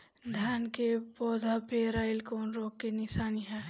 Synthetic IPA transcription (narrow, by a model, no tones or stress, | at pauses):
d̪ʱaːnkepɔːd̪ʱapeɾaːɪlkɔːnɾoːkːenɪʃaːniɦɛː